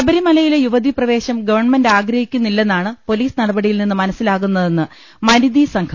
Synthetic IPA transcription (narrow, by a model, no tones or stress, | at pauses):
ɐbɐɾimɐlɐjile̞juʋɐd̪iprɐʋe̞ːɕɐmɡɐʋɐrɳme̞ndaːɡɾɐhikʲːunːilːe̞nːaːɳɨpo̞liːsnɐɽɐbɐɽijilninːɨmɐnɐsːilaːɣunːɐðe̞nːɨ | mɐnid̪isɐŋkʰɐ